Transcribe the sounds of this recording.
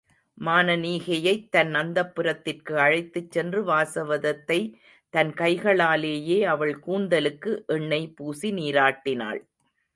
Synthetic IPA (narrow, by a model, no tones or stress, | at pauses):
maːnɐniːɣɐjɐɪt̪ːɐnnɐnd̪ɐpːɯɾɐt̪ːɪrkɯɐɻɐɪt̪ːɯt͡ʃːɛndrɯʋaːsɐʋɐðɐt̪ːɐɪ | t̪ɐnkɐɪɣɐɭaːleːjeːɐʋɐɭkuːɳd̪ɐlɯkːɯʔɛɳːɐɪpuːsiniːɾaːʈːɪna̰ːɭ